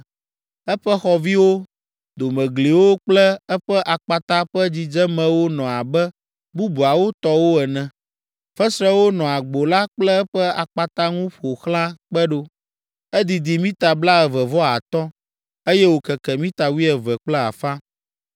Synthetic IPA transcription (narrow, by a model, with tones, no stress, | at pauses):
ɛ˦ɸɛ˦xɔ˨vi˦wo˦ | d̪o˨mɛ̃˨ɡli˨wo˦k͡plɛ˦ɛ˦ɸɛ˦ʔa˨k͡pa˨t̪a˦ɸɛ˦d͡ʑi˨d͡ʒɛ˦mɛ̃˨wo˦nɔ̃˨a˨bɛ˦ | bu˦bu˨a˨wo˦t̪ɔ˦wo˦ɛ˨nɛ̃˨ | fɛ˦sɾɛ˦wo˦nɔ̃˨a˨ɡ͡bo˨la˦k͡plɛ˦ɸɛ˦a˨k͡pa˨t̪a˦ŋũ˦ɸo˨xlã˦k͡pɛ˦ɖo˦ | ɛ˦d̪i˨d̪i˨mĩ˦t̪a˨bla˦ɛ˨vɛ˨vɔ˦a˨t̪ɔ˦ | e˦jɛ˦wo˨kɛ˨kɛ˨mĩ˦t̪a˨wi˦ɛ˨vɛ˨k͡plɛ˦a̰˨fã˦